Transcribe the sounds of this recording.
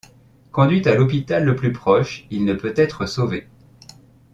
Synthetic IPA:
kɔ̃d̪ɥit̪alɔp̬it̪alːəplypχɔʃilnəpøt̪ɛt̪χəsove

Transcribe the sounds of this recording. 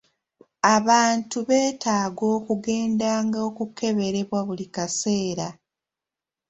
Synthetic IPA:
aβaːntuβe̞ːtʰaːɡo̞ːkuɡe̞ːndaːŋɡaokuke̞βe̞ɾe̞βwaβulikase̞ːɾa

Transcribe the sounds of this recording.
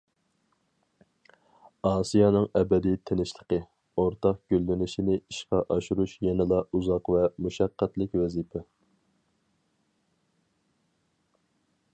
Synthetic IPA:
ɑːsijɑnɨŋɛbɛd̪it̪ʰenɪʃlˠəqə | oɾt̪ʰɑqɡ̥ʲølːɪnɪʃinɪiʃqɑʔɑʃuɾuʃjɛnɨlˠɑuzɑqvɛmuʃɑqːæt̪lɪkʲwɛzipʰɛ

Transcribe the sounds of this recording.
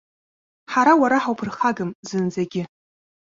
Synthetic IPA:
ħaɾawaɾaħawpʰɨrχaɡɨmzɨnd͡zaɡʲɪ

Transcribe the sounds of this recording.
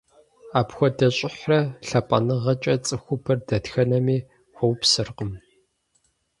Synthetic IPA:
aːpxʷɔdɐɕʼɪħrɐɬɐpʼɐ̰nɨʁɐt͡ʃʼɐt͡sʼɨxʷʊbɐrdɐtxɐnɐmiː | xʷɔwpsɨrqəm

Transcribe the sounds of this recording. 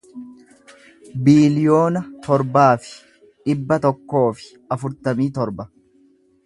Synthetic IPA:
biːlɪjo̞ːnɐt̪ɔɾbaːfɪ̥ | ᶑɪbːɐt̪ɔkːo̞ːfɪ̥ | ɐfʊɾt̪ɐmiːt̪ɔɾbɐ

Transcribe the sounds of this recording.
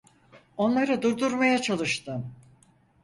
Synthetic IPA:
o̞nlˠaɾɯd̪uɾd̪uɾmajat͡ʃʰalˠɯʃt̪ɯm

